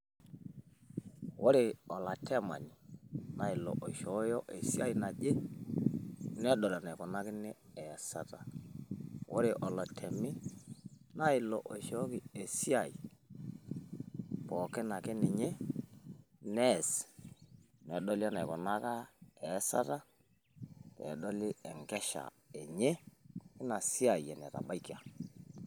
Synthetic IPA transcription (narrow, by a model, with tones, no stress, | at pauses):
wo˦ɾe˨ɔ˨la˨tʰɛ˦ma̰˨ɲi˨na˨ɪ˨lɔ̰˨ʔo˨ʃɔ˨˦jɔ˦ʔe˨si˦a˦i˨na˨d͡ʒe˦ | nɛ˦ɗɔ˨la˨na˨kɔ˨na˦kɪ˦nɛ˦ɛ˨sa˨ta˨ | wo̰˦ɾe˨ʔɔ˨la˨tʰɛ˨mɪ˦ | na˦ɪ˨lɔ̰˨ʔo˨ʃɔ˦kɪ˨e˨si˦a˨ḭ˨ | pɔ˨kɛ˦na˨kɛ˦nɛ˨ɲe˦ | nɛ˦˨s | nɛ˨ɗɔ˦la˦na˨kɔ˨na˦ka˦ɛ˨˦sa̰˦ta˦ | ɛ̰˨ɗɔ˦lɪ˦ɛ˨ŋkɛ˦ʃa̰˨ | ɛ˨ɲe˦kɪ˦na˨si˦a˨i˨ɛ˨nɛ̰˨ta̰˨ba˦i˦ki˨a˨